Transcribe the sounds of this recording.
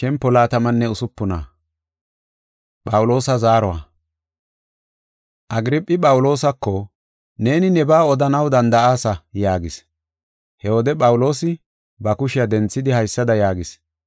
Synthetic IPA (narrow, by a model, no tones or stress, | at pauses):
ʃɛmpːɔlaːt̪ɐmɐnːɛʊsʊpːʊna̰ː | ɓʼɐwʊlo̞ːsɐzaːɾɔwa̰ | ʔɐɡɾɪpʼːɪpʼɐwʊlo̞ːsɐkːɔ | ne̞ːnɪnɛbaːɔd̪ɐnɐwd̪ɐnd̪ɐʔaːsɐjaːɡɪs | hɛwɔd̪ɛpʼɐwʊlo̞ːsɪ | bɐkʊʃɪjɐd̪ɛnt͡sːɪd̪ɪhɐjsːɐd̪ɐjaːɡɪs